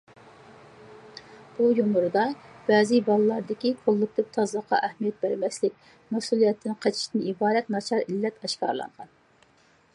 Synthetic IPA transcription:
b̥ujumʊɾɨd̪ɑb̥ɛːzɨbɑlˠɨlˠɑɾd̪ɪkʲiqʰolˠːʊk̚t̪ɪp̚t̪ʰɑzɑqʰɑ̰ʔɛhmijɛt̪̚bæɾmɛslɪk̚ʲ | mɛsulˠijɛt̪ʰːɪnqʰɑt͡ʃʰi̥ʃt̪nɨibɑːd̪ɛt̪nɑt͡ʃʰɑɾilːɛt̪ɑʃkɑ̰ɾlˠɑ̰nʁɑn

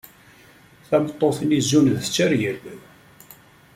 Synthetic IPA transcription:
θæmət̪ˤːoθnizːunðət͡sːəɾjəl

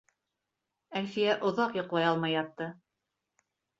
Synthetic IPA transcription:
ælfijæʔŏðɑqjŏqlˠɑjɑlˠmɑjɑt̪ːɤ

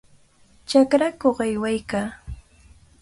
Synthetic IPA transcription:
t͡ʃakɾakoχajwajkaː

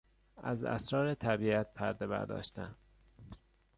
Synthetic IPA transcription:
ʔæ̰zæ̰sɾɒːɾet̪ʰæbiːæt̪̚pʰæɾd̪e̞bæ̰ɾd̪ɒ̰ːʃt̪æn

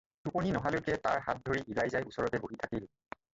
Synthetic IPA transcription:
tuponinɔɦalʊkɛta̰ɹɦa̰t̚dʱoɹiʔilajzajusɔɹɔtɛboɦitʰakil

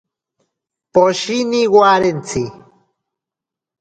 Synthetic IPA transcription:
poʃiniɣwaɾent͡sʰi

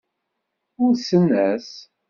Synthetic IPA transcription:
ʊɾsənːæs

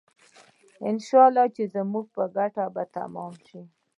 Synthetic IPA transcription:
ɪnʃɑlːɑt͡ʃezamuɡ̚pəɡaʈabat̪a̰mɑmʃi

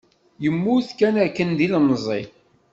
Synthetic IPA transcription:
jəmːuθkænæɾkːənd̪ilməzˤi

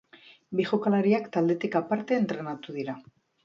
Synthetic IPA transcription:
biʝokalaɾiakt̪ald̪e̞t̪ikapaɾt̪e̞ːnt̪ɾe̞nat̪uðiɾa

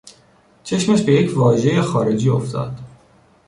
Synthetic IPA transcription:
t͡ʃʰe̞ʃmæʃbe̞jecʰvɒːʒe̞jexɒːɾe̞d͡ʒiːo̰ft̪ʰɒ̰ːd̪̥

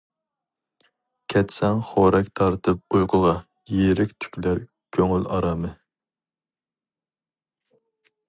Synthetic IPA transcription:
kʲʰɛt̪sɛŋχoːɾɛkʲt̪ʰɑɾt̪ʰɨp̚ujqʰʊʁɑ | jeɾɪkʲt̪ʰy̥kʲlæɾ | kʲʰøŋylɑɾɑːmɨ

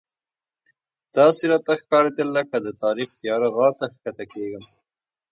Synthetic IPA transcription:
d̪̥ɑsiɾɑt̪axkɑɾed̪əlːakad̪ət̪ɑɾixt̪jɑɾaɣɑɽt̪axkat̪akeɡəm

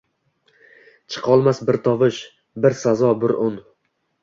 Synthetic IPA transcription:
t͡ʃʰɨ̥qʰɒlˠmasbɪɾt̪ʰɒvɪʃ | bɪɾsazɒbɪɾʊn

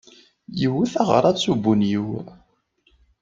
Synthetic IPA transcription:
jiwiθaʁə̰ɾˤɑðsubunjiw

